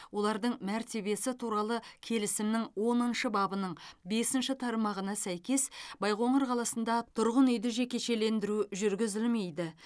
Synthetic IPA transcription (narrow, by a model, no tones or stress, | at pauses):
wo̞lˠɑɾd̪əɴmæɾt̪e̞βe̞sɪt̪ʰuɾɑlˠəkʲʰe̞lɪsɪmnɪŋwo̞nənʃəbɑbənəɴbe̞sɪnʃɪt̪ʰɑɾmɑʁənɑsæjkʲe̞sbɑjʁo̞ɴəɾqʰɑlˠɑsənd̪ɑt̪ʰʊɾʁənʏjd̪ɪʒe̞kʲe̞ʃe̞le̞nd̪ɪɾuʒʏɾɡʲɪzɪlme̞jd̪ɪ